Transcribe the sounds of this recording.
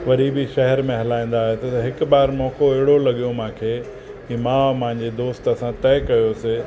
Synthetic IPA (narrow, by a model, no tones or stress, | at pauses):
ʋɐɾibiʃɐɦɛɾmẽɦɐlaːĩːn̆d̪aːɦet̪ɐɦɪkʊ̆ɓaːɾmɔ̃ːkoɐɦɪɽolɐɠijomãːkʰeː | imãːmɐ̃ɦɪ̃ɲd͡ʑed̪oːst̪ɐsãt̪ɛːkɐjose